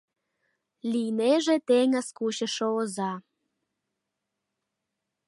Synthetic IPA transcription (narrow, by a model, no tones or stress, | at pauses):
lijneʒet̪eŋə̆skuɕə̆ʃoozɑ